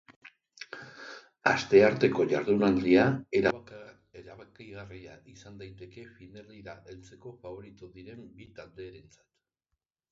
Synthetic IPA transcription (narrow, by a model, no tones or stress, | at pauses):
a̰st̪e̞aɾt̪e̞ko̞ʝaɾðunald̪iae | eɾaβakiɣariaʔisand̪ajt̪e̞ke̞fineriɾaʔelt͡se̞ko̞faβo̞ɾit̪uðiɾe̞mbit̪ald̪e̞ːɾe̞nt͡sḁt̪